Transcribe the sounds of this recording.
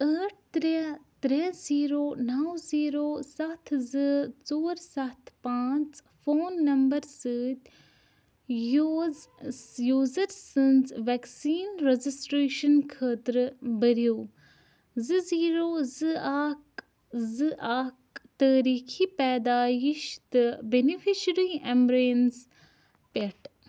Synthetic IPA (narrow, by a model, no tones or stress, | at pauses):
əːʈ̚ʰt̪ɾet̪ɾeziːɾoːnɐwziːɾoːsɐt̪ʰzɨt͡soːɾsɐt̪ʰpãːt͡s | foːnːɐmbɐɾsɨːt̪ | jozjuːzɐɾsɨ̃nzʋɛksiːnɾezisʈɾeːʃɐnkʰəːt̪ɾɨbɐɾijoː | zɨziːɾoːzɨaːk | zɨʔaːkt̪əːɾiːkʰipɛːd̪aːjiʃt̪ɨbenifiʃɾiːembɾeːns | peʈ